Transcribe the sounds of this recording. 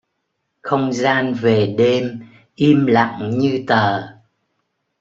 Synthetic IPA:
xə˧wŋ͡mzaː˧nve˨˩ɗe˧m | ʔi˧mla̰˧˨ŋɲɨ˧t̪əː˨˩

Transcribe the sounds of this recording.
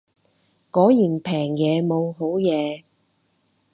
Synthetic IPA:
kɔː˨˥jiː˨˩npʰɛː˨˩ŋjɛː˨˧mo˨˧wɦo˨˥wjɛː˨˧

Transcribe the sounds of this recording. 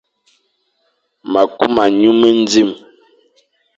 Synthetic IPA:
ma˨ku˦ma˨ɲu˦mə˦n˦d͡zi˦˨m

